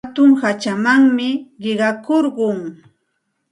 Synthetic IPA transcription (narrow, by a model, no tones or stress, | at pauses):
t̪ʊŋhat͡ʃamaŋmɪɢɪɢɑkoɾɢʊŋ